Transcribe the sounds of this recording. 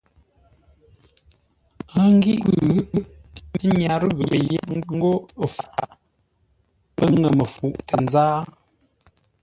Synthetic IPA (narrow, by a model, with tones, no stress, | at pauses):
a˦˨ŋ˦ɡi˦ʔɣʉ˨˦mə˦ɲa˨ɾɣə˨ə˨je˦ŋ˦ŋ̩˦ɡo˦˨fa˨ | pə˦ŋə˨mə˨fu˨ʔtə˨n˦zaː˦